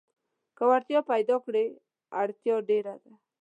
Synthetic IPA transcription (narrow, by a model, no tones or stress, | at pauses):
kəwaɾt̪ijɔpajd̪ɔkɽe | aɽt̪jɔɖeɾad̪a